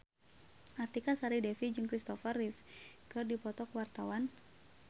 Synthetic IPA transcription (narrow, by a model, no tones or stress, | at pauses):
ʔart̪ikasaɾidɛfid͡ʒɨŋkɾist̪ɔfərifkɨrdipɔt̪ɔkəwart̪awan